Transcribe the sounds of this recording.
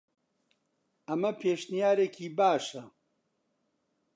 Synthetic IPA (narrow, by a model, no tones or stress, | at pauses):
ɐmɐpʰeːʃnijaːɾekʰiːbaːʃɐ